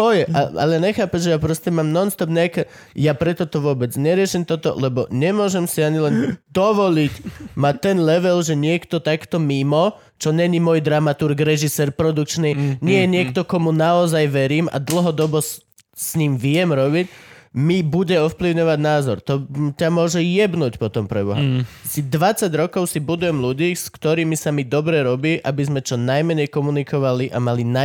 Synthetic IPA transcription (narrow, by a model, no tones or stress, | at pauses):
ɔjɛʔa̰a̰lɛɲɛxaːpɛʒʒɛjapɾɔscɛmaːmnɔnst̪ɔpɲɛakɛ | japɾɛt̪ɔt̪ɔʋʊɔbɛd͡zɲɛɾɪɛʃimt̪ɔt̪ɔ̰lɛbɔ̰ɲɛmʊɔʒɛmsiaɲilɛnd̪ɔʋɔlicmat̪ɛnlɛʋɛlʒɛɲɪɛkt̪ɔt̪akt̪ɔmimɔ | t͡ʃɔɲɛɲimɔjd̪ɾamat̪uɾɡɾɛʒisɛːɾpɾɔd̪uk̚t͡ʃniɲɪɛjɛɲɪɛkt̪ɔkɔmunaɔzajʋɛɾiːma̰d̪l̩ɦɔd̪ɔbɔs | sɲiːmʋɪɛmɾɔbicmibuɟɛɔfpliʊɲɔʋaɟnaːzɔɾt̪ɔcamʊɔʒɛjɛbnuːcpɔt̪ɔmpɾɛbɔɦasid̪ʋat͡saɟɾɔkɔʊsibud̪ujɛmluɟiːskt̪ɔɾiːmisamid̪ɔbɾɛɾɔbiːʔabizmɛt͡ʃɔnajmɛɲɛjkɔmunikɔʋaliʔamalina